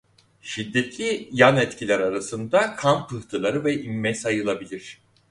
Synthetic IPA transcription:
ʃid̪ːɛt̪lʲijanɛt̪cʰilʲæɾaɾasɯnd̪akʰampʰɯht̪ʰɯlˠaɾɯvɛʔimːɛsajɯlˠabilʲiɾ̝̥

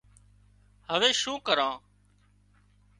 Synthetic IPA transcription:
həʋeːʃũːkəɾãː

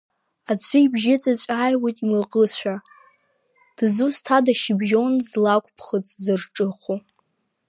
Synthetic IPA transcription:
at͡sʷʰiibʒɪt͡sʼat͡ɕʷʼajwotʼimɨqʼət͡ɕʷʰa | d̥zustʰadaʃɪbʒonzlakʷʼpʰχət͡sʼzɨrʈ͡ʂʼɨχʷo

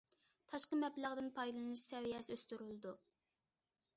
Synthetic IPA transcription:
t̪ʰɑʃqəmɛbləʁd̪ɪnpʰɑjlˠɨnɨʃsɛvijɛsɪøst̪yɾylɪd̪u

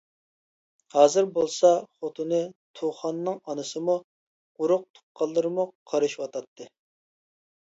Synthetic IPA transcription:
hɑːzɨɾbolˠsɑχot̪ʰɨnɨt̪ʰoχɑnːɨŋɑnɨsɨmu̥ | uɾʊq̚t̪ʰu̥qʰːɑlˠːɨɾɨmuqʰɑɾɨʃwɑt̪ʰɑt̪ʰːɨ

